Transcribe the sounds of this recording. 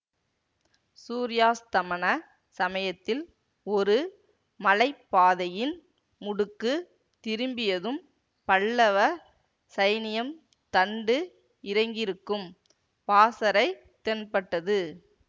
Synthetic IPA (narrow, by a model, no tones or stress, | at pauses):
suːɾɪjaːst̪ɐmɐnɐ | sɐmɐjɐt̪ːɪl | ɔɾɯ | mɐlɐɪpːaːðɐjɪn | mʊɽɯkːɯ | t̪ɪɾɯmbɪjɐðɯm | pɐɭːɐʋɐ | sɐjnɪjɐm | t̪ɐɳɖɯ | ɪɾɐɪŋɡɪɾɯkːɯm | paːsɐɾɐɪ | t̪ɛnpɐʈːɐðɯ